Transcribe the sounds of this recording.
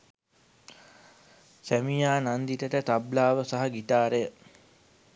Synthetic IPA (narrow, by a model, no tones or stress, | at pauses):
sæmijaːnand̪iʈəʈət̪ablaːʋəsaɦɐɡit̪aːɾejə